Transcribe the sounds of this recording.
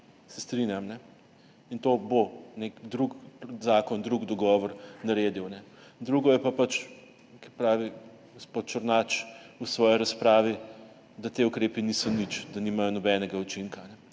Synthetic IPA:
sɛst̪ɾinjamnɛ | int̪oːbonekd̪ɾukzaːkɔnd̪ɾuɡd̪ɔɡɔʋɔɾnaɾeːd̪iwnɛd̪ɾuɡɔjɛpapat͡ʃ | kipɾaːʋi | ɡospot̪̚t͡ʃəɾnat͡ʃusʋɔːjiɾaspɾaːʋi | d̪at̪eukɾeːpinisɔnit͡ʃd̪aniːmajɔnɔbɛːnɛɡaut͡ʃiŋkanɛ

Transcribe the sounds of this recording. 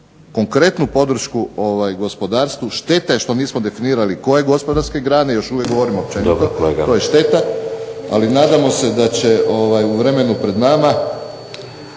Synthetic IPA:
ko̞ŋkɾe̞t̪nupo̞d̪ɾ̩ʃkuo̞ʋajɡo̞spo̞d̪aːɾst̪ʋuʃt̪e̞t̪aje̞ʃt̪o̞niːsmod̪e̞finiːɾaliko̞je̞ɡo̞spo̞d̪aɾske̞ɡɾaːnejo̞ʃuʋjekɡoʋoɾimop̚t͡ʃenit̪oo̞jeʃt̪e̞t̪aa̰linaːd̪amo̞se̞d̪at͡ɕe̞ʔo̞ʋajuʋɾe̞me̞nupɾe̞d̪nama

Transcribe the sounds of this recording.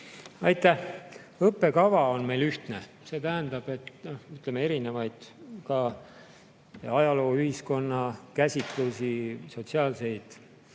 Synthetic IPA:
ɑjt̪ːˑæh | ɤpːe̞kɑvɑo̞nme̞jlyht̪ne̞ | se̞ːt̪æɦænd̪ɑb̥e̞t̪noyt̪lemee̞ɾine̞vɑjd̪̥kɑ | ɑjɑlo̞ːyhisko̞nːɑkæsʲit̪ˑlusiso̞t̪siɑːlse̞jd̪̥

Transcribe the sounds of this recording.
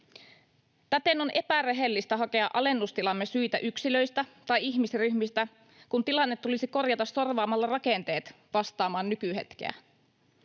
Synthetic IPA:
t̪æt̪e̞no̞nʔe̞pæreɦe̞lːist̪ɑɦɑke̞ɑ̰ʔɑle̞nːust̪ilɑmːesyjt̪æʔyksilø̞jst̪æt̪ɑjiçmisryçmist̪æ | kunt̪ilɑnːet̪ːulisiko̞rjɑt̪ɑsːo̞rʋɑːmɑlːɑrɑkent̪e̞ːt̪ | ʋɑst̪ɑːmɑːnːykyɦe̞̰t̪k̟ḛæ̰

